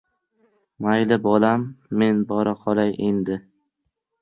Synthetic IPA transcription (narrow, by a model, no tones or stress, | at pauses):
majlɪbɒlamːe̞nbɒɾaqʰɒlˠajʔend̪ɪ